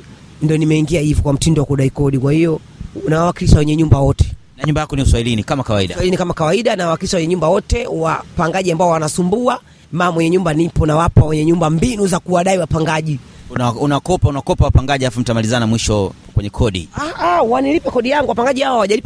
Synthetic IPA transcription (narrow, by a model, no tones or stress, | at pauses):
ndiɔnimɛiŋɡiahivɔkwam̩tindɔwakuɗaikɔɗikwahijɔ | nawawakiliʃawɛɲɛɲumbawɔtʰɛ̥naɲumbajakɔniuswahilinikamakawaiɗaailinikamakawaiɗanawawakiliʃawɛɲɛɲumbawɔtɛwapaŋɡaʄiambaɔwanasumbua | maːmwɛɲɛɲumbanipɔnawapawɛɲɛɲumbambinuzakuwaɗaiwapaŋɡaʄinaunawakɔpaunawakɔpawapaŋɡaʄialafum̩tamalizanamwiʃɔ | kwɛɲɛkʰɔɗḭaawanilipɛkɔɗijaŋɡuwapaŋɡaʄihawawaʄalip